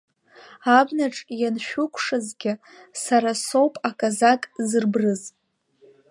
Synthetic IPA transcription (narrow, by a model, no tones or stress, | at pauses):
abnaʈ͡ʂʼjanʃᶣʊkʷʰʂɨzɡʲɪ | saɾaso̞wpʼakʼazakʼzɨrbrɨz